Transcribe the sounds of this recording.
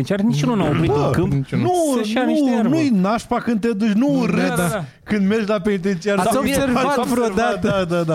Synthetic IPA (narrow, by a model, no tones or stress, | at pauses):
ent͡ʃiaɾnit͡ʃununawpɾid̪kɨmnuunujnaʃpakɨnd̪̚t̪ead̪ut͡ʃnurɨd̪ | kɨnd̪merd͡ʒlapenit̪entt͡ʃiaɾobeɾvaafɾod̪aad̪ad̪a